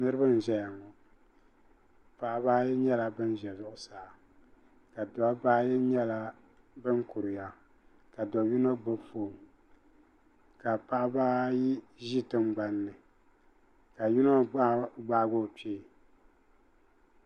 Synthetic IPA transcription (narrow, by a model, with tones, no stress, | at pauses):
nɨ˦ɾɨ˦bɨ˦n˨ʒɛ˦ja˨ŋɔ˨ | pa˨ʔbaː˦jɛ˦ɲɛ˦la˨bɨ˦n˦ʒɛ˨zʊ˨ʔʊ˨saː˨˦˨ | ka˨dɔ˨˦baː˦jɛ˦ɲɛ˦la˦ | bɨ˦ŋkʊ˨ɾɨ˨ja˨ | ka˨dɔ˨ju˦no˦bɨ˦foː˨m | ka˨pa˦ʔbaː˦ji˦ | ʒi˦tɨ˦mɡ͡ba˨˦nːɨ˨ | ka˨ju˦no˦ɡ͡ba˦ʔɡo˦˨pi˦˨